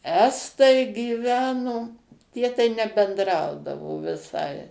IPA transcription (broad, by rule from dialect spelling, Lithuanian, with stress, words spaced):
ˈæːstɐɪ ɡʲiːˈʋʲæːnoː ˈtʲiɛ tɐɪ nʲɛbʲɛndˈrɐʊdɐʋoː ʋʲɪˈsɐɪ